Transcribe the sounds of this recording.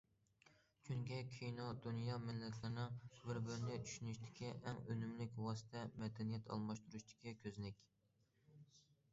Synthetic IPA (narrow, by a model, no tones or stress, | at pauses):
kʲʰyŋɡʲɛkʲʰijnod̪unjɑmɪlːɛt̪ʰlˠɨɾnɨŋbɪɾbɪɾɪnɪt͡ʃʰy̥ʃynyʃt̪ʰɪ̥kʲʰiʔɛŋønymlɪkʲwɑːsɨ̥t̪ʰɛmɛd̪ɛnijɛt̪ʰɑ̰lˠmɑʃt̪uɾuʃt̪ʰɪ̥kʲikʲʰøznɪkʲ